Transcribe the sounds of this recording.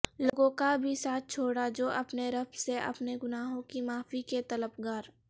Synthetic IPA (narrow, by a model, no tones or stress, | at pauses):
loːɡõkabʱisaːt̪̚ʰt͡ʃʰoːɽad͡ʒoːʔɐpneɾɐbseʔɐ̰pneɡʊnaːɦõkimaːfiket̪ɐləbɡaːɾ